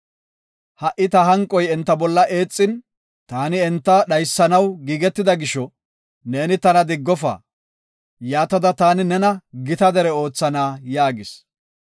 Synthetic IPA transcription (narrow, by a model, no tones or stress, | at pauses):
hɐʔɪt̪ɐɦɐŋkʼːɔjɛnt̪ːɐbɔlːɐʔe̞ːt͡sʼːɪn | t̪aːnɪɛnt̪ːɐɗɐjsːɐnɐwɡiːɡɛt̪ːɪd̪ɐɡɪʃɔ | ne̞ːnɪt̪ɐnɐd̪ɪɡːɔfa̰ː | jaːt̪ːɐd̪ɐt̪aːnɪnɛnɐɡɪt̪ɐd̪ɛɾɛo̞ːt͡sːɐnaːjaːɡɪs